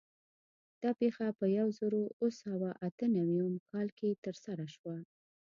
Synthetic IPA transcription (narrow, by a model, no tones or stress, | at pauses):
d̪̥ɑpexapəjawzəɾoosawaʔat̪ənawiəmkʰɑlket̪əɾsaɾaʃwa